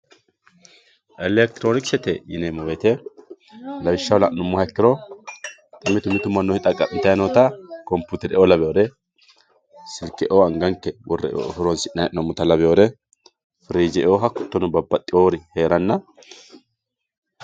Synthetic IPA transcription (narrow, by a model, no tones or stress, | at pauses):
ʔɛlɛk̚t̪ɾoːnɪksɛt̪ɛjɪnemɔwet̪ɛ | lɐbɪʃːɐwlɐʔnʊmːʊhɐɛkːɪɾɔ | t̪ʼɪmːɪt̪ʊmːɪt̪ʊmɐnːɔhɪt̪ʼɐkʼːɐmːɪt̪ɐjɐnoːt̪ɐkɔmpːut̪ɛɾɛʔɔlɐbɛjoːd̪ɛ | sɪlkːɛʔoɐŋɡɐŋkːɛwɔrːɛ̰hʊɾɔnsɪʔnɐʔnɔmːʊt̪ɐlɐbɛjod̪ɛ | fɪɾiːd͡ʒɛoːɦɐkʊ̥t̪ːɔnʊbɐbːɐt̪ʼːɪoːɾɪhe̞ːɾɐnːɐ